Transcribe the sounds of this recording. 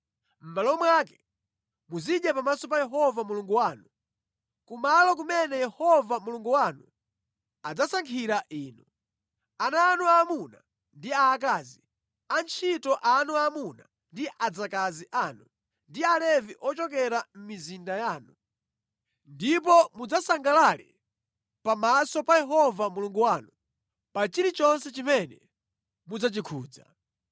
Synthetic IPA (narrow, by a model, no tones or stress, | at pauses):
m̩malɔmwaːkɛ̥ | muziɗɛpamasɔp̬ajɛɦɔvamuluŋɡuwaːnu | kumalɔk̬umɛnɛjɛhɔvamuluŋɡuwanu | ad͡zasaŋkʰiɾaʔiːnu | anaːnuamuna̰ | ndiaːk̬aːzi | ant͡ʃʰitɔʔanuamuna | ndiʔad͡zakaziʔaːnu | ndialɛviʔɔt͡ʃɔkɛɾam̩mizindajaːnu | ndip̬ɔmud͡zasaŋɡalalɛ̰ | pamasɔpajɛɦɔvamuluŋɡuwaːnu | pat͡ʃiɾit͡ʃɔnsɛt͡ʃimɛnɛ | mud͡zat͡ʃikʰuːd͡za̰